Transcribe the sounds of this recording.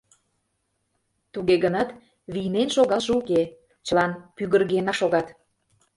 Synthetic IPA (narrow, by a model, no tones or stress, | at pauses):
t̪uɣeɣənɑt̪ | βijnenʃoɣɑʒəuke | t͡ɕəlɑnpyɣərɣenɑʃoɣɑt̪